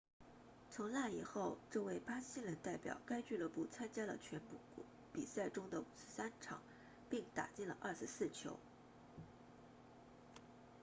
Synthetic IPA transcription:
t͡sʰʊ˧˥ŋla˥˩i˨˩xo˥˧ʊʈ͡ʂɤ˥˧we˥˩ɪpa˥ɕi˥lə˧˥nt̪a˥˩ɪpjɑ̰˨˩ʊka˥ɪt͡ɕy˥˧lɤ˥˧pu˥˩t͡sʰa˥nt͡ɕja˥lə̰˨t͡ɕʰɥɛ˧˥npu˥˩˥ | pi˨˩sa˥˩ɪʈ͡ʂʊ˥ŋd̪ə˨u˨˩ʂɻ̩˥˧sa˥nʈ͡ʂʰɑ̰˨˩˦ŋ | pi˥˩ŋt̪a̰˨˩t͡ɕi˥˩nlə̰˩ʔɐ˥˩ʂɻ̩˧˥sɹ̩˥˩t͡ɕʰjo̰˧˥ʊ

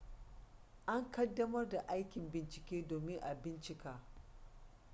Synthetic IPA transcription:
ʔa˦ŋkɐ˦dːɐ˦mɐ˦rda˨ʔa˦jkʲɪ˨mbɪ˨nt͡ʃɪ˨kʲeː˦doː˨mɪ˦ŋʔa˨bɪ˦nt͡ʃɪ˨kaː˦

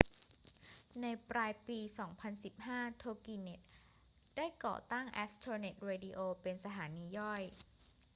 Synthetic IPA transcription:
na˧jpɾaː˧jpiː˧sɔː˩˦ŋpʰa˧nsi˨˩p̚haː˥˩t̪ʰoː˧kiː˧ne˦˥t̪̚ | daː˥˩jkɔ̰ː˨˩t̪aː˥˩ŋʔɛ˦˥st̪ʰɤː˧ne˨˩t̪̚ɾeː˧diː˧ʔoː˧pe˧nsa˧t̪ʰaː˩˦niː˧jɔ˥˩j

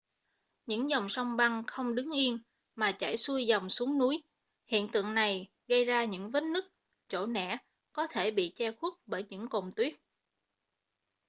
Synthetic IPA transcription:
ɲɨ̰˧˥ŋzɔ˨˩wŋ͡msɔ˧wŋ͡mɓa˧ŋxə˧wŋ͡mɗɨ˨˦ŋʔi˧ən | maː˨˩t͡ɕa˧˩jsu˧jza˨˩wŋ͡msu˨˦əŋnu˨˦j | hḭ˧˨ənt̪ɨ̰˧˨əŋna˨˩j | ɣə˧jzaː˧ɲɨ̰˧˥ŋvə˨˦˥t̚nɨ˦˥k̚ | t͡ɕo̰˧˩nɛ̰˧˩˥ | kɔ˨˦t̪ʰe˧˩ɓḭ˧˨t͡ɕɛ˧xu˦˥ət̚ɓəː˧˩jɲɨ̰˧˥ŋko˨˩ŋ͡mt̪wi˦˥ət̚

